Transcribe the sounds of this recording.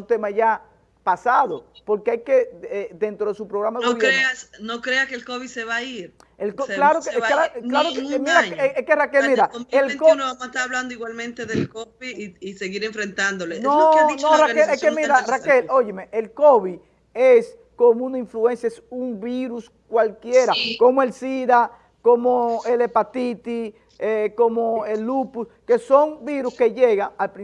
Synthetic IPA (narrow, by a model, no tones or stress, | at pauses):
t̪e̞maʝa | pasaðopoɾkeajkeeðent̪ɾo̞ðesupɾoɣɾamaðoβjeɾeasnokɾeakelkoβiseβaiɾ | elkoklaɾokeaklaɾokmiɾaekerakelmiɾaelkounoβamest̪aɾaβland̪oiɣwalmẽnt̪eðelkopiiseɣiɾeɱfɾent̪and̪olenonorakeleskemiɾarakeloʝemeʔelko̞βi | es | komunaiɱflue̞nsjaesuŋbiɾus | kwalkjeɾako̞moe̞lsiða | komoelepat̪it̪i | ekomoelːupuske̞so̞ŋbiɾuske̞ʝe̞ɣaalpɾĩ